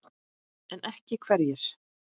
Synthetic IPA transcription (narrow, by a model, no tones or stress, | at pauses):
ɛnʔɛhcɪkʰvɛɾjɛɾ̥